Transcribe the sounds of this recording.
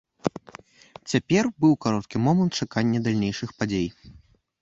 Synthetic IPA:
t͡sʲapʲɛrbɨwkaɾɔt̪kʲimɔmɐnt̪̚t͡ʂakanʲːɐd̪alʲnʲejʂɨxpad͡zʲej

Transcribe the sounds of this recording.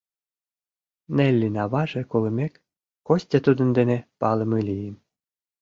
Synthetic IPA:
nelʲːinɑβɑʒĕkolə̆mʲekː | osʲtʲet̪ud̪ə̆nd̪enepɑlə̆mɯlʲijəm

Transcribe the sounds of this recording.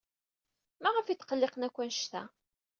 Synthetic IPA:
mæʁəfit̪ːqəlːɪqnækʷːænʃt̪æ̰

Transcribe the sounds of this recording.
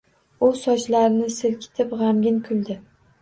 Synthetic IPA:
ʊsɒt͡ʃlaɾnɪsɪlkʲʰɪ̥t̪ʰɪpʁamɡʲɪnkʲʰʊlˠd̪ɪ

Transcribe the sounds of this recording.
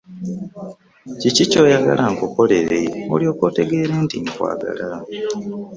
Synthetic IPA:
cicico̞ːjaɡa̰lʔaŋkokoleɾeo̰lio̞ːkote̞ɡe̞ːɾe̞ːntiŋkwa̰ːɡa̰la

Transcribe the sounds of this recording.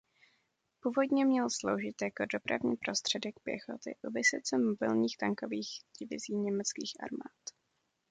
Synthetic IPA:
puːvo̞dɲɛmɲɛlslo̰wʒɪt̪jakodo̞pɾa̰vɲḭːpɾo̞st̪r̝̥ɛdɛk̚pjɛ̰xo̰t̪ɪ̰ʔuvɪsɛt͡sɛmobɪlɲiːxt̪aŋkoviːxɟ̥ɪvɪ̰ziːɲɛmɛt͡skiːxʔa̰ɾma̰ːt̪

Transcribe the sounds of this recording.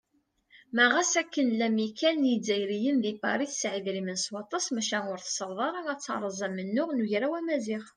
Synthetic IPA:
mæʁæsækːənlæmikʰænnjid͡zːæjɾijənðipɑ̰ɾˤiθsʕiðɾimənswɑt̪ˤɑsmæʃænʊɾθsəɾˤðˤɑɾˤæt͡sːɑ̰ɾˤəzˤæmːənːʊʁnuʝɾæwæmæziχ

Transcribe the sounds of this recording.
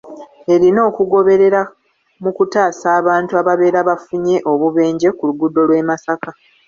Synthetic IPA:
e̞ɾino̞ːkuɡo̞βe̞ɾe̞ɾa | mukutaːsaːβaːntuaβaβe̞ːɾaβafuɲe̞ʔo̞βuβe̞ːɲɟe̞kuluɡudːo̞lwe̞ːmasaka

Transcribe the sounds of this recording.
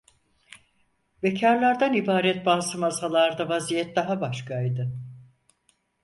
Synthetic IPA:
vecʰaɾlˠaɾd̪anibaːɾɛt̪̚baːsɯmazalˠaɾd̪avazijɛt̪̚d̪aɦabaʃkʰajd̪ɯ

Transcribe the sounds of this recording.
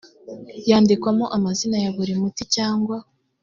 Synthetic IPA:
jaːndikwamoʔamazinajaβuɾimuticaːŋɡwa

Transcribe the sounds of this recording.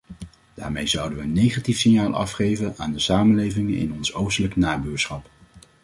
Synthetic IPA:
d̥aːɹmejzʌwdəʋəənːejχatifsɪɲjaːlˠʔɑ̰fχejvənaːndəsaːməlejvɪŋənɪ̰nɔnsowstələknaːbyːɹsχɑp

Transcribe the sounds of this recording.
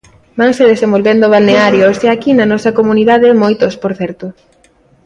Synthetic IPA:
baŋseðesembolβend̪oβ̞alneaɾjoseakinɐnɔsɐkomuniðaðemojt̪ospoɾθɛɾt̪ʊ

